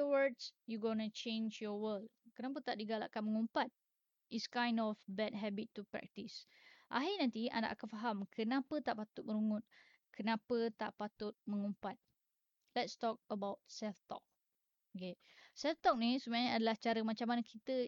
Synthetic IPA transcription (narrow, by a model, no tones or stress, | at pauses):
əwədsjuɡɔnut͡ʃẽnd͡ʒjɔwəld̚kənap̬ət̪aʔdiɡala̰ʔkanmə̃ŋumpat̪̚ | ʔiskãj̃ndɔfbɛt̚ɦɛbitːupɹɛ̰k̚tis | ʔa̰ɦinãnt̪ia̰nda̰ʔakanfaɦamkʰənapət̪aʔpat̪ʊt̚məɾuŋʊt̪̚ | kʰənapət̪aʔpat̪ʊt̪̚mə̃ŋumpat̪̚ | lɛtstɔk̚əbawt̚sɛlft̪ɔ̰k̚ | ke | sɛlft̪ɔk̚nisəbaɲaadalaht͡ʃaɾəmat͡ʃamanəkʰit̪ə